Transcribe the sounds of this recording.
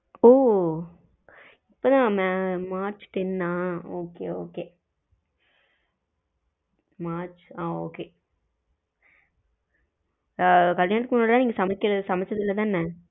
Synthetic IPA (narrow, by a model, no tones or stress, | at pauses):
oː | ɪpːoːt̪ãːmmaːɾt͡ʃʈɛnːãːoːkeːo̰ːkeː | maːɾt͡ʃaːoːkeː | kɐljaːnɐt̪ɯkːɯmʊnːaːɽlaːniːŋɡɐsɐmɐkːɪɾɐðɯsɐmɛt͡ʃːɐðɪlːɐt̪ãːɪnːɐ